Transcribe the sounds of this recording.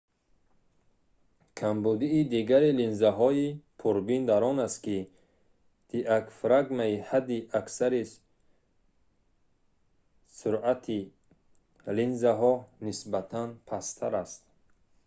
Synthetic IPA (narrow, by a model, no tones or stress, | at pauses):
kʰambud̪iːd̪iɡaɾilinzaɦɔipʰuɾbind̪aɾɔnast̪ki | d̪̥iʔakfɾaɡmaihad̪ːiʔaksaɾi | suɾat̪ʰi | linzaɦɔnisbat̪ʰanpʰast̪ʰaɾast̪